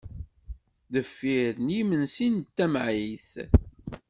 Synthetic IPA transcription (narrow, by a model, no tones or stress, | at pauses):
ðəfːiɾnimənsint̪ːæmʕiθ